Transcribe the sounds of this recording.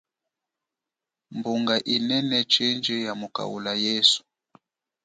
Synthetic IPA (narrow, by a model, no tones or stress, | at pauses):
mbuŋɡaʔinɛnɛt͡ʃɛnd͡ʒɛjamuka̰wṵlajɛsu̥